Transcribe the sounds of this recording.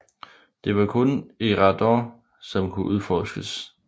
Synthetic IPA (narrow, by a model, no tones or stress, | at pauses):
d̥e̝ʋɑ̈kʰɔ̽neʁɑd̥ɒ | sɒ̽mkʰuʔuð̞ˠfɒːsɡ̥əs